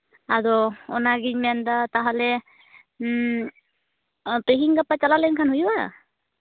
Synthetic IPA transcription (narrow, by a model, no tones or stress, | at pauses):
adɔɔnaɡiɲmɛndat̪aɦalɛ | pɾeɦiŋɡapat͡ʃalalɛnkʰanɦujba